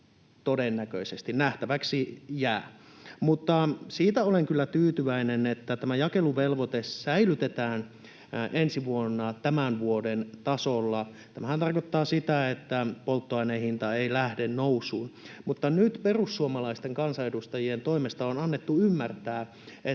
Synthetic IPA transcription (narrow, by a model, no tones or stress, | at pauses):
t̪odenːækøisest̪innæht̪æʋæksijæːmut̪ːɑsiːt̪æoleŋkylːæt̪yːt̪yʋæinenet̪ːæt̪æmæjɑkeluʋelʋot̪essæilyt̪et̪æːn | ʔensiʋuonːɑt̪æmænʋuodent̪ɑsolːɑ | t̪æmæhænt̪ɑrkot̪ːɑːsit̪æet̪ːæpolt̪ːoɑinehint̪ɑeilæhdennousˑuːnmut̪ːɑnyt̪perusːuomɑlɑist̪eŋkɑnsɑedust̪ɑjient̪o̞imest̪ɑonɑnːet̪ːuymːært̪æː | e